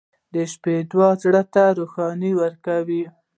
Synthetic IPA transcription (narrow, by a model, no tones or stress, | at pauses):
d̪əʃped̪wɑzɽət̪aɾuxɑniwəɾkawi